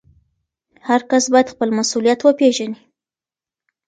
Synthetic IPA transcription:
haɾkasbajad̪xpəlmasulijat̪wəpeʒani

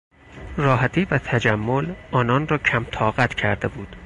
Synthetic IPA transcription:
rɒːɦæt̪ʰiːvæt̪ʰæd͡ʒæmːolɒːnɒːnrɒːcʰæmt̪ʰɒːɣæt̪ʰcʰæɾd̪ebuːd̪̥

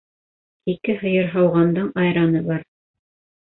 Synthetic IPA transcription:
ikɘɦɤ̆jɤɾɦɑwʁɑnd̪ɤɴɑjɾɑnɤbɑɾ

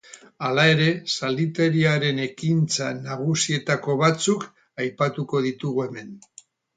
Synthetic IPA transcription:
alae̞ɾe̞sald̪it̪e̞ɾiaɾe̞ne̞kint͡sanaɣusie̞t̪ako̞βat͡suk | ajpat̪uko̞ð̞it̪uɣue̞me̞n

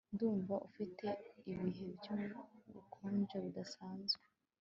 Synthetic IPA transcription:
nduːɱvaʔufitʰe̞iβiɦe̞bjoβṵkʰoːnʒeβudasaːnzɡe

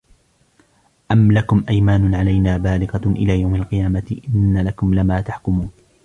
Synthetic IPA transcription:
ʔamlakʊmʔajmaːnʊʕalajnaːbaːlɪɣɑʔɪ̰laːjawmalqɨjaːmat̪ɪʔɪnːalakʊmlɪmaːt̪aħkʊmuːn

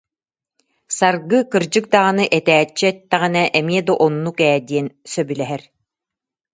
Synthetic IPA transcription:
saɾɡɯkɯɾd͡ʑɯk̚d̪aːnɯʔɛt̪ɛːt͡ɕːiɛt̪ːɛʁinɛʔɛmiɛd̪ɔʔɔnːukɛːd̪iɛnsœbylɛɦɛɾ

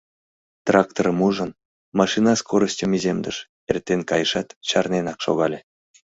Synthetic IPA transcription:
t̪rɑkt̪orəmuʒən | mɑʃinɑskʰoɾəsʲtʲəmizʲemd̪əʃ | ert̪ʲːenʲkɑjəʃɑt̪t͡ɕɑrnenɑkʃo̰ɣɑlʲe

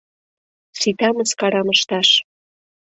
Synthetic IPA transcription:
sit̪ɑməskɑɾɑməʃt̪ɑʃ

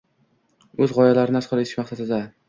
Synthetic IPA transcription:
ɵzʁɒjalaɾɪnɪasqɒlˠeɪ̥ʃmaχsad̪ɪd̪a

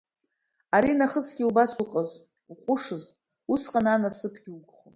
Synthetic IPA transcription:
aɾinaχəzɡʲiubasuqʼaz | uqʷʼʊʂɨz | usqʼananasɨpʰɡ̥ʲiuɡʷʼχon

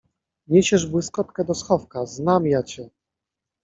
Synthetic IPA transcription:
mʲeɕɛʐbwɘskɔt̪kɛd̪ɔsxɔfkaznamjat͡ɕɛ

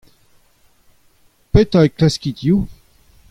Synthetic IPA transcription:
pɛt̪aeklaskʲit̪ju

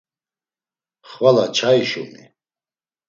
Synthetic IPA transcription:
χvalat͡ʃʰaiʃṵmḭ

